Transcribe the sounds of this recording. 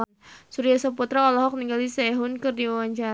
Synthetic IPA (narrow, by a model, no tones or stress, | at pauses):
nsuɾiasaput̪ɾaɔlɔɦɔk̚niŋɡalisɛɦʊnkɨrdiwawaɲt͡ʃaɾ